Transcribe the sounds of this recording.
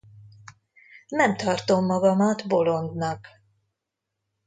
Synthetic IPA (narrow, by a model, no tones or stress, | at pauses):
nɛmt̪ɒrt̪omːɒɡɒmɒt̪bo̞lo̞nd̪nɒk